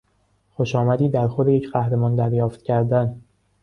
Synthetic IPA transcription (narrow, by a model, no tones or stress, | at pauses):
xoʃɒːmæd̪iːd̪æɾxod̪ejecʰɢæhɾe̞mɒːnd̪æɾjɒːft̪cʰæɾd̪æn